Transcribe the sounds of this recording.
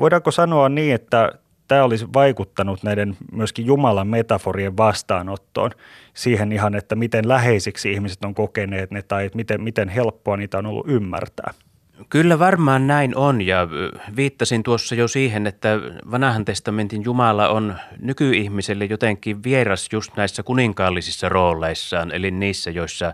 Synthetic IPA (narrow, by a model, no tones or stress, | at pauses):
ʋoidɑkːosɑnoɑnniːet̪ːæ | t̪æːolisʋɑikut̪ːɑnut̪næidenmyøskijjumɑlɑmmet̪ɑforieʋʋɑst̪ɑ̰ːnot̪ːo̰ːn | siːhenihɑnet̪ːæmit̪enlæheisiksiihmise̥t̪oŋkokeneːt̪net̪ɑiet̪mit̪emit̪enhelpːoɑniːt̪æonolːṵʔʔymːæ̰rt̪æ̰ː | kylːæʋɑrmɑːnnæinʔonjɑʋiːt̪ːɑsint̪uosːɑjosiːhenet̪ːæʋɑnɑhɑnt̪est̪ɑment̪injumɑlɑonnykyihmiselːejot̪eŋkːˑiʋʋierɑsjust̪næˑisːækuniŋkɑːlːisisːɑroːlˑeˑisːɑːnḛlinniːsːæjoisːɑ